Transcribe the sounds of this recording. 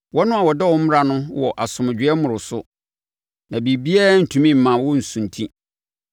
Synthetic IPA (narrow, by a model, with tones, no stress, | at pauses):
wɔ˦nʊ̃˦a˨wɔ˨dɛ˦wɔ̃˦m̩˦m˦ɾa˨nʊ̃˦wɔ˨ʔa˨sʊ̃˨mʊ̃˨d͡ʑᶣɪ˦ɛ˦mʊ̃˨ɾʊ˨sʊ̰˦ | nã˨bi˨bi˦ɛ˦n̩˨tʰũ˨mĩ˦m̩˨mã˨wɔ˦n̩˨sũ˨ntʰĩ˦